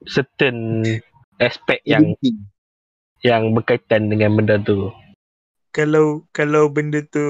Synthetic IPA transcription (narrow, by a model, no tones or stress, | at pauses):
sət̪ən | aspɛk̚jaŋi | jaŋbərkait̪andəŋãnməndat̪u | kalawkalawbəndət̪u